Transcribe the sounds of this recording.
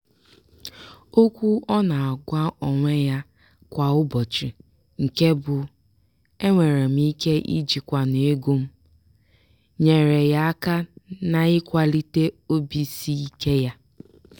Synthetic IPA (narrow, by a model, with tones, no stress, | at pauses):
o˦kʷu˦ɔ˦na˨a˨ɡʷa˦ʔɔ˨ŋʷe˦ja˦ | kʷa˨ʊ˦bɔ˨t͡ʃi˨ | ŋ̩˨ke˦bʊ˨ | e˦ŋʷe˨ɾe˨m̩˦i˦ke˦ʔḭ˦d͡ʒi˨kʷa˨ne˨e˦ɡu˦m̩˦ | ɲe˨ɾe˨ja˦a˦ka˦na˨ɪ˦kʷa˨li˦te˦o˦bi˨si˦i˦ke˦ja˦